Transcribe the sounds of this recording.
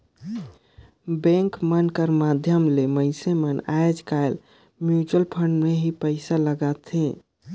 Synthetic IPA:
bẽŋkmənkəɾmad̪ʱjəmleməɪsemənajd͡ʒkael | mjut͡ʃəlpʰəɳɖmeɦipəɪsaləɡat̪ʰẽ

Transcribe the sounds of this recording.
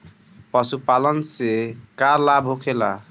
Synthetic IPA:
pʌsupalənsekaɾlabʱɦokʰela̰

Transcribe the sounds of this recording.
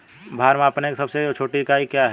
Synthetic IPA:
bʱaːɾmaːpneksɐbseot͡ʃʰoːʈikaikjaɦɛ

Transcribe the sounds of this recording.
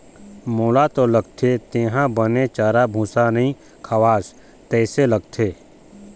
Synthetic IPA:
moːlat̪oləɡ̚t̪ʰet̪eːɦãbənet͡ʃaːɾabʱũːsanəɦĩ | kʰəwaːs | t̪ɛːseləɡt̪ʰeː

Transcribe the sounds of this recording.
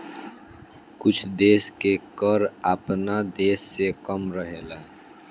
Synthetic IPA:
kʊt͡ʃʰd̪eːskekəɾapnad̪eːsːekəmɾəɦeːla

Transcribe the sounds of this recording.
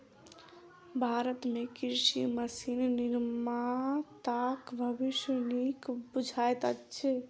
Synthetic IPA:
bʱaɾət̪mekiɾsiməsinniɾmat̪akbʱəbiʃjənikbud͡ʒʱajt̪ət͡ʃʰe

